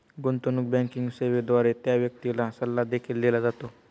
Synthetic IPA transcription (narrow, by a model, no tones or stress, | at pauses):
ɡont̪onuk̚bɛ̃ŋkiŋɡseʋed̪ʋaɾet̪jaʋjək̚t̪ilasəlːad̪ekʰiːlːelad͡zat̪o